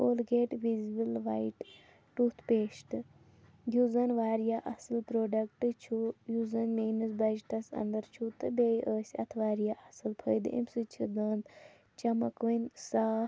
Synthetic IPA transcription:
oːlɡeːʈʋizbilʋa̰iʈ | ʈut̪ʰpeːʃʈ̪ɨ | juzɐnʋaːɾjaːʔɐsɨlpɾoːɖɐkʈɨt͡ʃʰujuzɐnmeːnɨsbɐd͡ʒiʈɐsɐ̰nd̪ɐɾt͡ʃʰut̪ɨbejʔəːsʲɐ̰t̪ʰʋaːɾjaʔɐsɨlpʰəjd̪ʔḭmsɨt͡ʃʰid̪əːnd̪ | t͡ʃɐmɐkʋɐnsaː

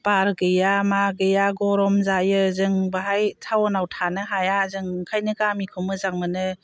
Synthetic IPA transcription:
paɾɡɯjamaɡɯjaɡɔɾɔmzajɯzɯŋbaɦajtʰawɔnawtʰanɯɦajazɯŋkʰajnɯɡamikʰɯmɯzaŋmɯnɯ

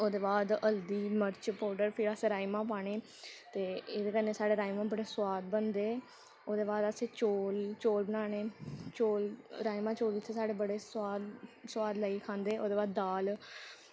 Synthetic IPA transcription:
oːd̪eːbaːd̪əld̪iːməɾt͡ʃpɔːɾɖəɾpʰɪɾəsẽːɾaːimãːpaːɳ̃eː | t̪eːɪd̪eːkənːeːsaːɽeːɾaːimãːbəɽeːswaːd̪bənd̪eː | oːd̪eːbaːd̪əsẽːt͡ʃoːlt͡ʃoːlbənaːɳeːt͡ʃoːlɾaːimãːt͡ʃoːlɪt̪ʰːeːsaːɽeːbəɽeːswaːd̪sʊwaːd̪ləiːkʰãːnd̪eːoːd̪eːbaːd̪ːaːl

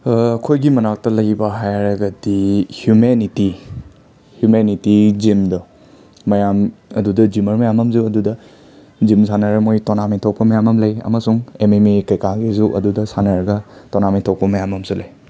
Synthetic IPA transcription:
ɐkʰojɡimɐnak̚tɐlɐɡbɐɦajɾɐɡɐdihjumeniti | hjumenitizimdɐ | mɐjamɐdudɐd͡ʒimɐɾmɐjamɐmzuɐdudɐ | zimsʰanɐɾɐmojtonamitʰok̚pɐmɐjamɐmlɐjɐ̰mɐsuŋememekɐjkaɡizuʔɐ̰dudɐsanɐɾɡɐtonamitʰopɐmɐjamɐmsulɐj

